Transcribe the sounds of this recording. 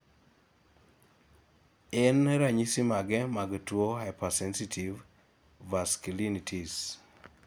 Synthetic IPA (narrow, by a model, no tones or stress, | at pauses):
ɛnɾaɲisimaɡɛmaɡtwoɦajpasɛnsitʰivː | askulinitʰis